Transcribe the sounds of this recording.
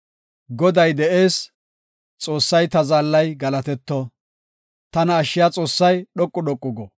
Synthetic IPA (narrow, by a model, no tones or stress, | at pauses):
ɡɔd̪ɐjd̪ɛʔe̞ːs | t͡sʼo̞ːsːɐjt̪ɐzaːlːɐjɡɐlɐt̪ɛt̪ːɔ | t̪ɐnɐːʃːɪjaːt͡sʼo̞ːsːɐjɗɔkʼːʊɗɔkʼːʊɡɔ